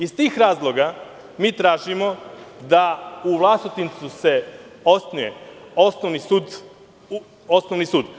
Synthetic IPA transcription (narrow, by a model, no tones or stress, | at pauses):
izt̪iːxɾaːzlˠo̞ɡa | miːt̪ɾaːʒimo̞d̪auʋlˠast̪it̪int̪suseosnujeosnoʋnisud̪ | osnoʋnisuːd̪